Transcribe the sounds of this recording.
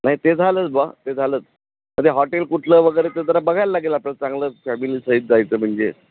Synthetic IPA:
naɦit̪ed͡zʱalət͡sbat̪ed͡zʱaləːt͡s | m̤əd̪ʱjeɦɔʈelkuʈʰləʋəɡəjɾet̪ed͡z̪əɾabəɡʱajlːaɡelaplat͡sãŋɡləːfæmiliːsəit̪̚d͡zajt͡səːm̤əɳd͡zḛ

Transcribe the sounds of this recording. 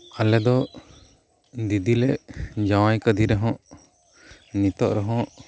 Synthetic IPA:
alɛd̪ɔ | d̪id̪ilɛʔd͡ʒawajkəd̪ʱiɾɛɦɔ̃ʔ | nit̪ɔʔɾɛɦɔ̃ʔ

